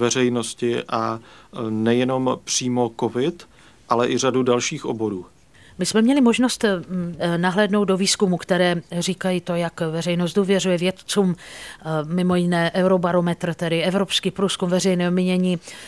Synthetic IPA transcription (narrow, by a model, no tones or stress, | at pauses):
vɛrɛjno̞scɪʔa | nɛjɛno̞mpr̝̥iːmo̞kovɪt̪ | ʔalɛʔɪradudalʃiːxobo̞ɾuː | mɪsmɛmɲɛlɪmo̞ʒno̞st̪ | naɦlɛːdno̞wt̪̚do̞viːskumukt̪ɛɾɛːriːkajiːt̪o̞jakvɛrɛjnos̬t̪duːvjɛr̝ujɛvjɛt̪t͡suːm | mɪmo̞jɪnɛːʔɛwɾo̞baɾo̞mɛt̪r̩t̪ɛdɪɛvɾo̞pskiːpɾuːskumvɛrɛjnɛːɦomɪɲɛɲiː